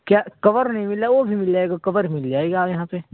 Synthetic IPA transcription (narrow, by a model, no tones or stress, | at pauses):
kjaːkɐʋəɾnɐɦĩmɪlaʋobʱimɪld͡ʒaːeːɡakɐʋəɾmɪld͡ʒaːeːɡaːjɐɦãːpe